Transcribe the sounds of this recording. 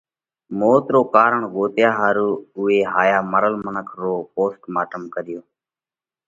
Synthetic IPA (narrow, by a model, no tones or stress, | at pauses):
moːt̪ɾoːkaːɾəɳɡoːt̪jaːɦaːɾuːʊeːɦaːjaːməɾəlmənəkʰɾoːpoːsʈmaːʈəmkəɾɪjoː